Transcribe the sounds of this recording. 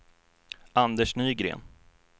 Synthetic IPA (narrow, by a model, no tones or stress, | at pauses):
and̪əʂnyːɡɾḛːn